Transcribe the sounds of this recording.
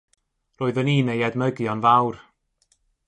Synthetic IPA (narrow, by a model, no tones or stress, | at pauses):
roːɨðəniːnejɛdməɡjɔnvawr